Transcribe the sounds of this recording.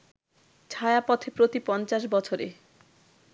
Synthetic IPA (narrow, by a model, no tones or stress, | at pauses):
t͡ɕʰaeapɔt̪ʰepɾot̪ipɔnt͡ɕaʃbɔt͡ɕʰoɾḛ